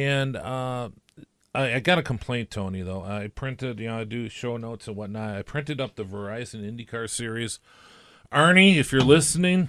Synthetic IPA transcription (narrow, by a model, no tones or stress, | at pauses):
ɨ̃nʌ | aɪaɪɡɑɾɨkʰm̩pʰl̥ẽɪ̃ntʰõʊ̃niðoʊʔaɪpʰɹ̥ɪ̃ntɪdjɨnoʊaɪdɨʃoʊnoʊtsə̃nwʌtⁿnaɪɾaɪpʰɹ̥ɪ̃ntɨɾʌp̚ðɨvə˞aɪzɨ̃nɪ̃ndikʰɑɹsɪɹiz̥ | ʔɜ˞niɨfjə˞lɪsnɪ̃ŋ